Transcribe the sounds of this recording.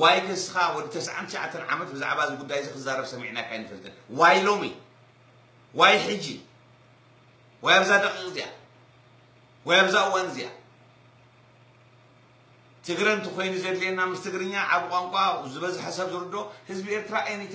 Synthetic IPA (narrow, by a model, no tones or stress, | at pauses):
wajdɐsɨxawɔd̪it̪ʰɐsʕa̰nt̪ʰʃaʕa̰t̪ʰːɐnʕa̰mɐt̪̚bɨza̰ʕβazɨɡud̪ːajzɨkɨzaɾɐβsɐmːḭʕnakʰajnɨfɐlt̪ʰʼɐnwajlo̞mi | wajħɨd͡ʒːi | wɔjaβzad̪ɐkʼːikʼzija̰ | wɔjaβzaʔɨwːanzija̰ | t̪ʰɨɡɾɐnt̪ʰikʰo̞jnuzɐd̪lienːamɨst̪ʰɨɡɾɨɲːaʕaβɨkʼaŋkʷʼazɨβɐzħasɐβzɨɾɨd̪o̞hɨzbie̞ɾt̪ʰɨɾaʔajnit̪